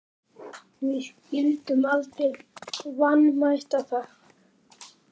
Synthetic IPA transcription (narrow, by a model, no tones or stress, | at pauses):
mɪhcilt̪ʏmalt̪ɪlvanːmajht̪aθa